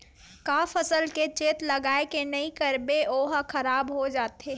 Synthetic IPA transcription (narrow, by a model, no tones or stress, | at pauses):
kaːfɐsəlket͡ʃeːt̪lɐɡaːekenɐikɐɾbeʔoːɦaxʰɐɾaːbɦod͡ʒaːt̪e